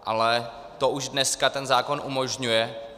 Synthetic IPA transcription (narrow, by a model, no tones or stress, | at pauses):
ʔa̰lɛ | t̪oʔuʒdnɛskat̪ɛnzaːko̞nʔumoʒɲujɛ